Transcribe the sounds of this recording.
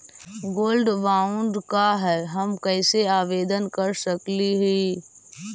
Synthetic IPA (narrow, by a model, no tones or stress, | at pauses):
ɡoːlɖʋaːʊ̃ɳɖkaɦɛːɦɐmkɛːseaːʋeːd̪ənkɐɾsɐkliɦi